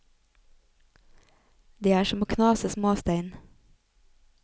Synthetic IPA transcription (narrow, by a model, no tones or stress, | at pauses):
d̪eːæːʃɔmoːkʰnɑːsəsmoːst̪æɪn